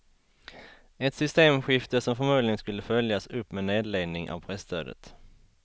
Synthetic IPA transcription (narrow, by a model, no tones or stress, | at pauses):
ɛt̪sʏst̪eːmɧɪft̪əʂɔmfɔɾmuːd̪lɪɡənskɵlːəfœljasɵpːmɛneːd̪leːɡd̪nɪŋʔa̰vpʰɾɛst̪ʰø̰ːd̪ə̰t̪